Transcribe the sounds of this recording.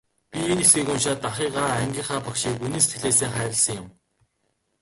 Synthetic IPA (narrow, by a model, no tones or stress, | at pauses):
pʲienesɡiːkʊnʃaːt̪aχiːʁaːæŋɡʲiːŋχaːpakʃiːkuniːse̥t̪ɡɘ̆ɮeːseːŋχæːɾə̆ɮsə̆ŋjʊm